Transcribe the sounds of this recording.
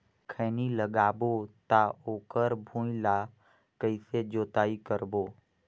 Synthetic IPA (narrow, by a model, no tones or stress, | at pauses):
kʰəːniləɡaːbot̪aoːkəɾbʱũːila | kəɪsed͡ʒoːt̪aːikəɾboː